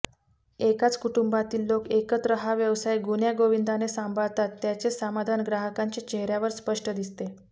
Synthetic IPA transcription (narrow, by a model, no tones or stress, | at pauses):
ekat͡skuʈumbat̪iːlːokekət̪ɾəɦaʋjəʋsajɡunjaɡoʋind̪ʱanesãmbʱaɭt̪at̪ːjat͡sesamad̪ʱanɡɾaɦəkaɲt͡ɕet͡ɕeɦɾjaʋəɾspəʂʈəd̪ist̪e